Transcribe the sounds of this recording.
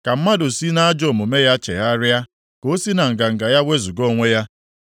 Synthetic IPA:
ka˨m̩˦ma˦dʊ˨si˦na˦a˦d͡ʒo˨mʊ˨me˦ja˦t͡ʃḛ˨ɦa˦ɾɪ˦a˦ | ko˦si˦na˨ŋ̩˨ɡa˨ŋ̩˨ɡa˨ja˦wʷe˦zu˨ɡo˦˨ŋʷe˦ja˦

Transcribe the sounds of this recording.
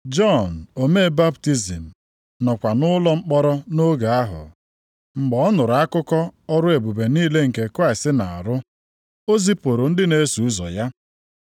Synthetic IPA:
d͡ʒɔ˦˨n˨o˨me˦ba˦pti˦zi˨m̩˨ | nɔ˨kʷa˨nʊ˦lɔ˦ŋ͡m̩˦k͡pɔ˦ɾɔ˦no˦ɡa˨a˦ɦʊ̰˨ | ŋ͡m̩˨ɡ͡bɔ˨ɔ˦nʊ˨ɾʊ˨a˦kʊ˦kɔ˦ɔ˦ɾʊ˦e˨bu˨be˨niː˦le˦ŋ̩˨ke˨kɾa˦ɪ˨stɪ˦na˨a̰˨ɾʊ˦ | o˦zi˦po˨ɾo˨n̩˦dɪ˦ne˦su˨u˦zɔ̰˨ja˦

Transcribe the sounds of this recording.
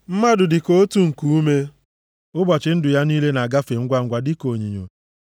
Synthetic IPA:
m̩˦ma˦dʊ˨dɪ˨ko˦o˦tu˦ŋ̩˨ku˦u˦me˦ | ʊ˦bɔ˨t͡ʃɪ˨n̩˦dʊ˨ja˦niː˦le˦na˨a˨ɡa˦fe˨ŋ̩˦ɡʷa˦ŋ̩˦ɡʷa˨dɪ˦ko˨ɲi˨ɲo̰˨

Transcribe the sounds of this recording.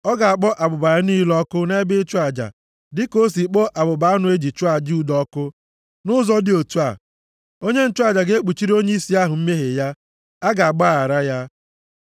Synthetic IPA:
ɔ˦ɡa˨a˨k͡pɔ˦ʔa˨bʊ˨ba˨ɾa˦niː˦lɔ˦kʊ˦ne˦bɪ˦t͡ʃa˨d͡ʒa̰˨ | dɪ˦ko˦si˨k͡pɔ˦ʔa˨bʊ˨ba˨a˦nʊ˨e˦d͡ʒi˨t͡ʃu˦a˨d͡ʒu˨dɔ˦kʊ˦ | nʊ˦zɔ˦dɪ˦o˨tu˦a̰˨ | o˦ɲe˦n̩˦t͡ʃʊ˦a˦˨d͡ʒa˨ɡe˦k͡pu˨t͡ʃi˦ɾo˦ɲe˦i˦si˦a˦ɦʊ˨m̩˦me˦ɦe˨ja˦ | a˦ɡa˨a˨k͡pa˦˨a˨ɾa˦ja˦

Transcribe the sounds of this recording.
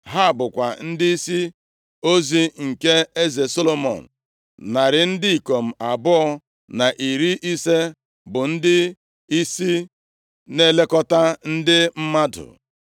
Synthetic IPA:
ɦa˦˨bʊ˨kʷa˨n̩˦dɪ˦i˦si˦ | o˦zi˨ŋ̩˨ke˦e˦ze˨so˦lo˨mɔ̰˨n̩˨ | na˨ɾɪ˨n̩˦dɪ˦i˨ko˨m̩˨a˨bʊ˦ɔ˦ | na˨ʔi˨ɾi˦ʔi˦se˦ | bʊ˨n̩˦dɪ˦ | i˦si˦ | ne˦le˦kɔ˦ta˦n̩˦dɪ˦m̩˦ma˦dʊ̰˨

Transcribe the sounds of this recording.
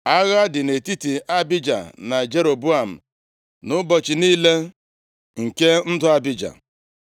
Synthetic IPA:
a˦ɣa˦dɪ˨ne˨ti˦ti˨a˦bɪ˦d͡ʒa̰˨na˨d͡ʒe˦ɾo˨bu˦a˨m̩˨ | nʊ˦bɔ˨t͡ʃɪ˨niː˦le˦ | ŋ̩˨ke˦n̩˦dʊ˨a˦bɪ˦d͡ʒa̰˨

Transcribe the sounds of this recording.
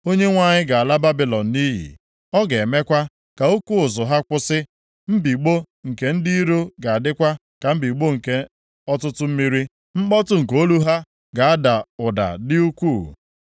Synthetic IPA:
o˦ɲe˦ŋʷa˦˨ɲɪ˦ɡa˨a˨la˦ba˦bi˨lɔ˨n̩˨ni˦ɦḭ˨ | ɔ˦ɡe˨e˨me˦kʷa˦ | ka˨u˦kʷu˦ʊ˨zʊ˨ɦa˦kʷʊ˦sɪ˦ | m̩˦bi˨ɡ͡bo˦ | ŋ̩˨ke˨n̩˦di˦ɾo˦ɡa˨a˨dɪ˦kʷa˦ | ka˨m̩˦bi˨ɡ͡bo˦ŋ̩˨ke˦ | ɔ˦tʊ˦tʊ˦m̩˦mi˦ɾi˦ | m̩˦k͡pɔ˦tʊ˦ŋ̩˨ko˦lu˦ɦa˦ | ɡa˨a˦da˨ʊ˨da̰˨dɪ˦u˦kʷu˦˨

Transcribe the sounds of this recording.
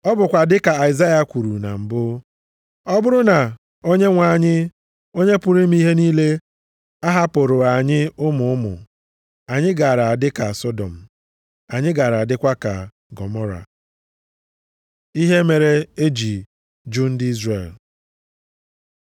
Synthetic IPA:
ɔ˦bʊ˨kʷa˨dɪ˦ka˨a˨ɪ˨za˦ja˨kʷu˨ɾu˨na̰˨m̩˨bʊ˦ | ɔ˦bʊ˦ɾʊ˦na˨ | o˦ɲe˦ŋʷa˨ɲɪ˦ | o˦ɲe˦pʊ˨ɾi˦m̩˦i˦ɦe˦niː˦le˦ | a˦ɦa˦po˨ɾʊ˨a˨ɲɪ˦ʊ˦mʊ˨ʊ˦mʊ̰˨ | a˨ɲɪ˦ɡa˨ɾa˨a˨dɪ˦ka˨sɔ˦dɔ̰˨m̩˨ | a˨ɲɪ˦ɡa˨ɾa˨a˨dɪ˦kʷa˦ka̰˨ | ɡɔ˨mɔ˦ɾa̰˨ | i˦ɦe˦me˨ɾe˦e˦d͡ʒi˨ | d͡ʒu˦n̩˦dɪ˦i˦zre˨l

